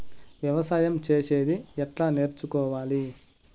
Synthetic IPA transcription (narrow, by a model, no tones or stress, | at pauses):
ʋjɐʋɐsaːjɐmt͡ʃe̞ːse̞ːd̪iɛʈlaːne̞ːɾt͡ʃukɔːʋaːli